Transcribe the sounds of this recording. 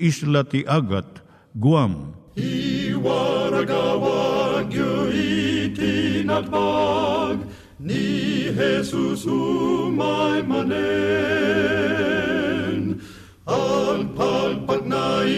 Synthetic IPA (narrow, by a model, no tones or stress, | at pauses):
islɐt̪iʔɐɡɐt̪ | ɡuamiwaːɾɐɡaːwaɡjoːit̪ʰinɐt̪paːɡ | niɦesusumaːjmɐne | n | alpʰaːlpɐtnaːi